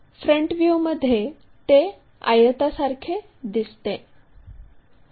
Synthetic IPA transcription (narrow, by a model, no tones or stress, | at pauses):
fɾəɳʈʋjuməd̪ʱːje | t̪e | a̰jət̪asaɾkʰe | d̪ist̪e